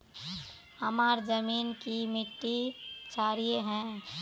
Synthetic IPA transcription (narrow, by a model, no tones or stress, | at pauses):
hɐmaːɾd͡ʒəmiːnkimɪʈːit͡ʃaːɾijeɦɛ̃